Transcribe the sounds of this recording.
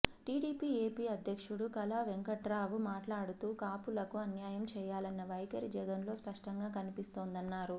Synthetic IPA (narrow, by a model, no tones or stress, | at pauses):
ʈiːɽiːpiːeːpiːɐd̪ʱjɐkʂuɽukɐlaʋeŋkɐʈɾaːʋumaːʈlaːɽut̪uːkaːpulɐkuɐnjaːjɐmt͡ʃɛːjaːlɐnːɐʋɐjkɐɾid͡ʒɛɡɐnlo̞ːspɐʂʈɐŋɡaːkɐnipist̪o̞ːnd̪ɐnːaːɾu